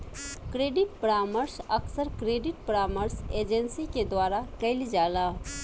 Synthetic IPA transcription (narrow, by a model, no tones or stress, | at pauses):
kɾeːɖɪʈ̚pəɾaːməɾsəksəɾkɾeːɖɪʈ̚pɾaːməɾseːd͡ʒənsiked̪waːɾakəɪlid͡ʒaːla